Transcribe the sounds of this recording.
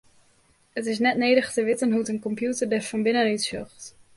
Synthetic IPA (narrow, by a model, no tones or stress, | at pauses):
ətɪs̬nɛtneːdəχtəʋɪtənɦuətənkɔmpjutərdɛfɔnbɪnənytsøxt